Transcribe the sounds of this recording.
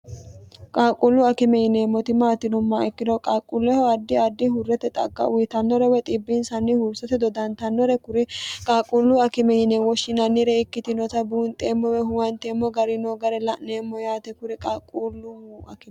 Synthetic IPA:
kʼaːkʼulːʊɐkɪmɛjɪneːmːɔt̪ɪmaːt̪ːɪnʊmːɐɛkːɪd̪ɔkʼaːkʼulːɛhɔɐd̪ːɪɐd̪ːɪhʊrːɛt̪ɛt̪ʼɐ̰ɡːɐ̰ʔʊjɪt̪ɐnːɔɾɛwɛt̪ʼɪbːɪnsɐnːɪhʊɾsɛt̪ɛd̪ɔd̪ɐnt̪ɐnːɔɾɛkʊɾɪkʼaːkʼːulːʊɐkɪmɛjɪneːwɔʃːɪnɐnːɪɾɛɪkːɪt̪ɪnɔt̪ɐbuːnt̪ʼːeːmːɔwɛɦʊwɐnt̪eːmːɔɡɐɾɪnoɡɐɾɛlɐʔneːmːɔjaːt̪ɛkʊɾɪkʼakʼːulːʊɐ̰kɪm

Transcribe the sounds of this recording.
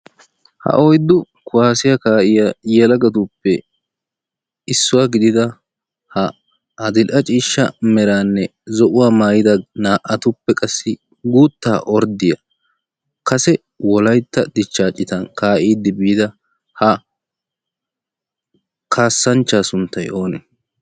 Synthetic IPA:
hɐ̰ʔɔjd̪ʊ | kʰʊwaːsɪjɐkaːʔɪjajɛlɐɡɐt̪ʊpːɛ | ɪsːʊwaːɡɪd̪ɪd̪ɐ | hɐ | ɐd̪ɪlʔɐt͡ʃʼiːʃːɐ̰mɛɾaːnːɛzɔʔʊwaːmaːjɪd̪ɐnaːʔɐt̪ʊpːɛkʼɐsːɪ | ɡuːt̪ːaːʔɔɾd̪ɪjɐ | kɐsɛ | wɔlɐjt̪ːɐd̪ɪt͡ʃːaːt͡ʃʼːɪt̪ɐnkaːʔiːd̪ːɪbiːd̪ɐ | hɐ | kʰaːsːɐnt͡ʃːaːsʊnt̪ːɐjʔo̞ːnɛ

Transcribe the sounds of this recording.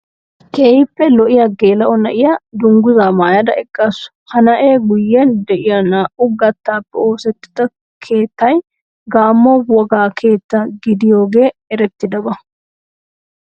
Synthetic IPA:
keːhɪpːɛlɔʔɪjɐɡe̞ːlɐʔɔnɐʔɪjɐd̪ʊŋɡʊzaːmaːjɐd̪ɐɛkʼːɐsʊ̥ | hɐnɐʔeːɡʊjːɛnd̪ɛʔɪjɐnaːʔʊɡɐt̪ːaːpːɛo̞ːsɛt̪ːɪ̥d̪ɐ | kʰe̞ːt̪ːɐj | ɡaːmːɔwɔɡaːkʰe̞ːt̪ːɐɡɪd̪ɪjo̞ːɡe̞ːɛɾɛt̪ːɪd̪ɐbɐ

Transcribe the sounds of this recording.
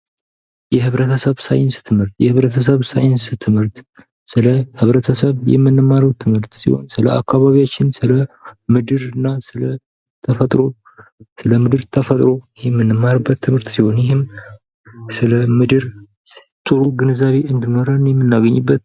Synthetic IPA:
jɛhɨβɾət̪ʰəsəβsa̰jɪnst̪ʰɨmhɨɾt̪jɛhɨβɾət̪ʰəs̬əβsa̰jɪnst̪ʰɨmhɨɾt̪ | sɨləhɨβɾət̪ʰəsəβjɛ̰mːɨnːɨmːaɾəwt̪ʰːɨmhɨɾt̪sḭho̞̰nsɨləʔa̰kʰːaβaβijat͡ʃːɪnsɨləmɨd̪ɨɾɨnːasɨlə | t̪ʰəfət̪ʼɾo̞ | sɨləmɨd̪ɨɾt̪ʰəfət̪ʼɾo̞jɛmːɨnːɨmːaɾbːət̪ʰːɨmhɨɾt̪siho̞njɪɦɪm | sɨləmɨd̪ɨɾ | t̪ʼɨɾuɡɨnɨzaβeʔɨnd̪ɨno̞ɾənjɛmːɨnːaɡəɲːɨbːət̪̚

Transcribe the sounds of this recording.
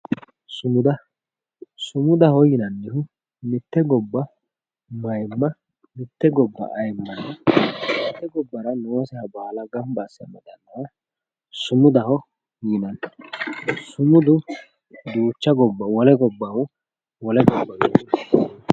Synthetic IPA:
sʊmʊd̪ɐ | sʊmʊd̪ɐhɔjɪnɐnːɪhʊ | mɪt̪ːɛɡɔbːɐ | mɐjmːɐ | mɪt̪ːɛɡɔbːɐ̰ʔɐjmːɐnːɐmɪt̪ːɛɡɔbːɐɾɐnɛwɐsɛhɐbɐhalɐɡɐmbasɐ̰mɛd̪ɐnːɐjɐ | sʊmʊd̪ɐhɔ | jɪnɐn | sʊmʊd̪ʊ | d̪uːt͡ʃːɐɡɔbːɐwɔlɛɡɔbːɐw | wɔlɛɡɔbːɐɡɪɪ

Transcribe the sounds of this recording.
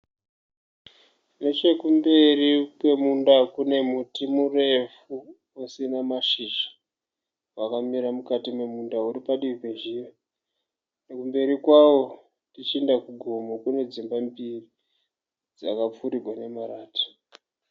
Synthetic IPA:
net͡ʃe̞kumbe̞rikwe̞mundakune̞mutimure̞fu | osinamaʃiʒḁ | wakamiɾamukatime̞mundauɾipaɗiripeʒiwe | ne̞kumbe̞ɾikwawo̞ | tit͡ʃiendakuɡʱomokune̞d͡zimbambiri | d͡zakap͡fuɾirʱwane̞maraːti̥

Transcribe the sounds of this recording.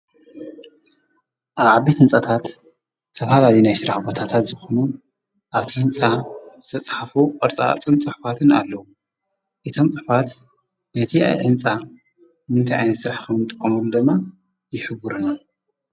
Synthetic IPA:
ʔaβʕaβet̪ʰɨnt͡sʼat̪ʰat̪ | t̪ʰɐfalalinajsɨɾaħbot̪ʰat̪ʰat̪zɨxonu | ʔaβt̪ʰiɨnt͡sʼazɨ̥t̪ʰɐt͡sʼħafuɐɾt͡sʼa̰t͡sʼɨnt͡sʼɨħfat̪ʰɨna̰lːɐwu | ʔɨt̪ʰo̞mt͡sʼɨħfat̪ | nɐt̪ʰia̰jʕɨnt͡sʼa | mɨnt̪ʰajʔajnɐt̪sɨɾaħkʰɐmɨt̪ʼɨkʼːɐmuld̪ɨmːa | jɪħɨβuɾuna

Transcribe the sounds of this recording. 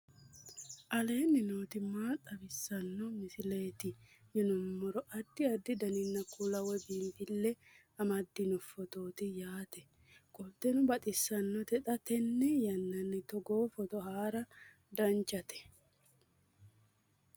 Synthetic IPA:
ʔɐle̞ːnːɪnoːt̪ɪmaːt̪ʼːɐbɪsːɐnːɔmɪsɪle̞ːt̪ɪ | jɛnʊmːɔɾɔʔɐd̪ːɪɐd̪ːɪd̪ɐnɪnːɐkːulɐwɛbiːmb̪ɪlːɛ | ɐmɐd̪ːɪnɔfɔt̪oːt̪ɪjaːt̪ɛ | kʼɔt̪ːɛnʊbɐt̪ʼɪsːɐnːɔt̪ɛt̪ʼɐt̪ɛnːɛjɐnːɐnːɛt̪ɔɡo̞ːfɔt̪ɔhaːɾɐ | d̪ɐnt͡ʃːɐt̪ɛ̥

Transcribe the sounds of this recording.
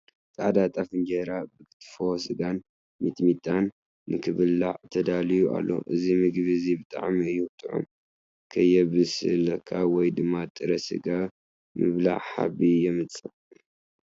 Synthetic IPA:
t̪aʕd̪at̪ʼafɨnd͡ʒeɾabɨkʰɨ̥t̪ʰʼfosɨɡan | mit̪ʼmit̪ʼanː | ɨkʰɨβɨlːaʕt̪ʰɐd̪alijua̰lːo̞̰ʔɨzimɨɡβizibɨt̪ʼa̰ʕmiɨjut̪ʰʼːɨʕo̰m | kʰɐjɛbɨsɨ̰lkʰawɔjd̪ɨmːat̪ʼɨɾɐsɨ̰ɡa | mɨβla̰ʕħa̰βijɛmɨt͡sʼɨ

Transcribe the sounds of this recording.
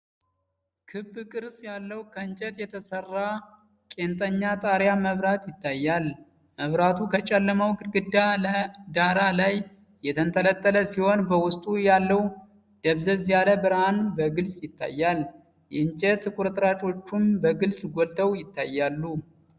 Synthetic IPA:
kʰɨbːkʼɨɾsjalːəwkʰəɨɲt͡ʃʼɛt̪jɛt̪ʰəsərːa | kʼe̞nt̪ʼəɲːat̪ʼaɾjaməβɾat̪jɪt̪ʰːajːal | məβɾat̪ʰukʰət͡ʃʼɛlːəməwɡɨɡɨd̪ːaləd̪aɾalaj | jɛt̪ʰənt̪ʰələt̪ʼːələsiho̞nbəwʊst̪ʼujalːəw | d̪̥əβzəzjaləbɨɾanbəɡɨlsʼjɪt̪ʰːa̰jːal | jɛɲt͡ʃʼɛt̪kʷʼʊɾt̪ʼɾat͡ʃʼo̞t͡ʃːumbəɡɨlsʼɡʷolt̪ʰəwjɪt̪ːajːalːu

